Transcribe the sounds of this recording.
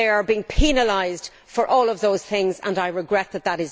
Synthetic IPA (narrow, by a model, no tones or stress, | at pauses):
eɪə˞biɪ̃ŋpʰinəlaɪzd̥ | fə˞ʔɔːlˠʌvðoʊz̥θɪ̃ŋzə̰̃naɪɹɪɡɹɛt̪̚ðət̪̚ðəɾɪz